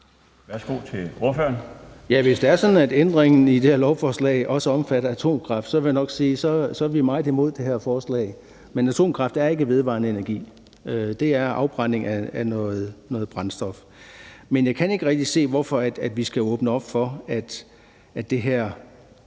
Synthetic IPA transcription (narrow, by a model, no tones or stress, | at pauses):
ʋæɐsɡ̥o̝̰ːt͡sʰe̝lo̝ɐføɐnjæʋe̝sd̥eæɐsɒ̽d̥n̩æd̥end̥ʁeŋn̩id̥e̝heɐlɒʊfɒːslɛ̰ɪʔɒ̽səɒ̽mfæɾ̥ɐæt͡sʰo̝̰ːmkʰʁɑ̈fd̥sɒ̽ʋe̝janɒ̽ɡ̥siːsɒ̽sɒ̽ʋimɑ̈ɪð̩ˠimo̝ð̞̰ˠd̥e̝heɐfɒːslɛ̰ɪ | menæt͡sʰo̝̰ːmkʰʁɑ̈fd̥æɐe̝ɡ̥əʋe̝ð̞ˠʋɑ̰̈ːnəe̝næɐɡ̥ḭː | ød̥e̝æɐʔɑ̈ʊb̥ʁɑ̈n̰e̝ŋæænɔːð̩ˠnɔ̽ːð̩ˠb̥ʁɑ̈nsd̥ɒ̽f | menjɑ̈ɪkʰæne̝ɡ̥əʁɛɡ̥̚d̥ise̝̰ːʋɒfɒ̽æd̥æd̥ʋisɡ̥æɔ̽ːb̥nəɒ̽b̥fɒ̽æd̥ | ædd̥e̝ɦæɐ̰